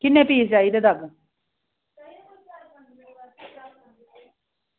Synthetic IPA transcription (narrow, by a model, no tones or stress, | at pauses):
kɪnːẽːpiːsd͡ʒaːid̪ed̪aɡ